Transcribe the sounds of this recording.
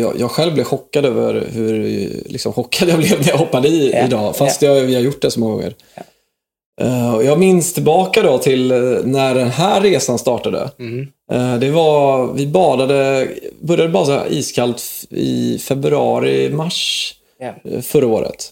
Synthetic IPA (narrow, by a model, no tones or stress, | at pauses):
jɑ̰ːjʔɑːɡɧɛlvblɪvɧɔkːad̪øːvə̰ɾhɵɾlɪ̰ksɔmɧɔkʰːad̪jɑːblɛvnɛjahɔpːad̪iɪd̪ɑːfasst̪jɑvɪhaɾjʊʈːɖɛsɔmɔŋːaɡɔ̰ŋːə̰ɾ | ɔjɑːɡmɪnst̪ʰɪlbɑːkad̪ɔt̪ʰɪlnæɖɛnɦæːeːsanst̪ɑːʈad̪ə̰ | d̪ɛvavɪbɑːd̪ad̪əbœɾjad̪əbɑɾsa̰ʔḭːskʰalt̪ɪ̰fɛbɾɑːɾɪmaʂ | fœɾaoːɾə̰t̪